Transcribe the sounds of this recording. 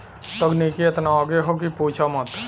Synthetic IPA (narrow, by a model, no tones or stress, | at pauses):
t̪əɡnikiet̪naɔɡeɦok̬ipuːt͡ʃʰamət̪